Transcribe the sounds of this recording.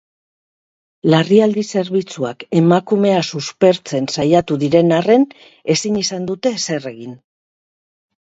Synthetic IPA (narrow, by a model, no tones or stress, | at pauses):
lariald̪ise̞ɾβit͡suake̞makume̞asuspe̞ɾt͡se̞nsajat̪uðiɾe̞nare̞n | e̞siɲisand̪ut̪e̞se̞re̞ɣin